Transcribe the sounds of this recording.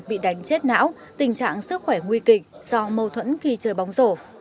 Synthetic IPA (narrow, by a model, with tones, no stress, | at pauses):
ɓḭ˧˨ɗa˨˦jŋ̟t͡ɕe˦˥t̚na̰ː˧˥w | t̪ï˨˩ŋ̟t͡ɕa̰ː˧˨ŋsɨ˦˥k̚xwɛ˧˩ŋwi˧kï˨˩k̟̚z̥ɔ˧mə˧wt̪ʰwə̰˧˥nxi˧t͡ɕəː˨˩jɓa˨˦wŋ͡mzo˧˩